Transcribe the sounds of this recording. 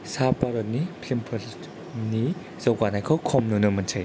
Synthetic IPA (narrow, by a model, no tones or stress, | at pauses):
sapaɾɔt̚nipʰlimpʰɯl | ni | zawkanajkʰɔwkʰɔmnunɯmɐntʰaj